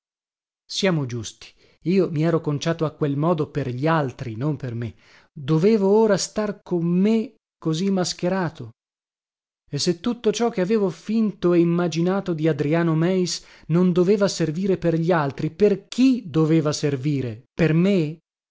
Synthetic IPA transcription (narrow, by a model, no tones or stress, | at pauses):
sjaːmod͡ʒust̪i̥ | iːomiɛːɾokont͡ʃaːt̪oakːwelmɔːd̪operʎialt̪ɾinomperme | d̪oveːvooːɾast̪arkomːe | kːozimːask̟eɾaːt̪o | esːet̪ːut̪ːot͡ʃɔk̟eaveːvofint̪oeimːad͡ʒinaːt̪od̪iad̪ɾiaːnomɛjs | nond̪oveːvaserviːɾeperʎialt̪ɾiperk̟ʰid̪oveːvaserviːɾeperme